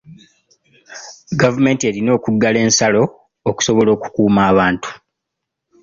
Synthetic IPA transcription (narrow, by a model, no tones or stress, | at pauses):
ɡavume̞ːntie̞ːlino̞ːkuɡːale̞ːnsalo̞ː | ku̥so̞βo̞lo̞ːku̥kuːmaːβaːntu̥